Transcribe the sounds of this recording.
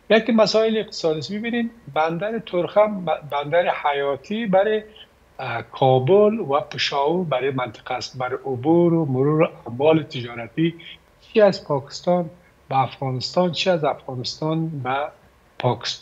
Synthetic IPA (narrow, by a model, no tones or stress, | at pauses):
jakimasɔɪlɪq̚t̪ɪ̥sɔd̪isbibinemband̪aɾit̪ʰʊɾxamband̪aɾɪhajɔt̪ʰibaɾɪ | kʰɔbʊlwapɪʃɔwuɾbaɾimant̪ʰɪ̥qast̪baɾɪʔʊbuɾʊmʊɾuɾʊʔamwɔlɪt̪ʰɪd͡ʒɔɾat̪i | t͡ʃʰiaspʰɔkɪ̥st̪ɔn | baːfɣɔnɪst̪ɔnt͡ʃʰiazafɣɔnɪst̪ɔnba | pʰɔkɪ̥st̪n